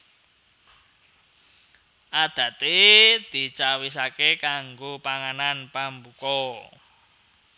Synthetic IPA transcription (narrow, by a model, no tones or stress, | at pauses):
ʔad̪̥ä̤t̪ed̪̥i̤t͡ʃawis̬akekaŋɡopaŋananpambukɔ